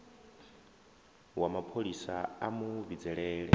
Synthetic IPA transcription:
wamapʰoɺisaamuvid͡zɛɺɛːɺɛ

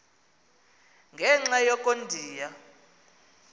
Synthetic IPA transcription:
ŋɡʱɛŋ͡ǁajɔkʼondʱiːja

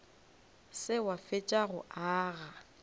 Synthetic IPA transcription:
sɪwafɪt͡ʃʼaɣʊ̰ʔaːɣa

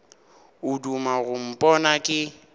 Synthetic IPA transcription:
ʊdumaɣʊm̩pʼɔnakʼɪ

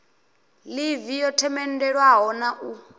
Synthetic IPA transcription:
livijɔtʰɛmɛn̩dɛɺwaɦɔnaʔu

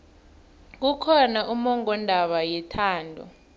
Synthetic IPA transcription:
k̬ukʰɔnaʔumɔŋɔndʱaɓajɛtʰaːndʱɔ̰

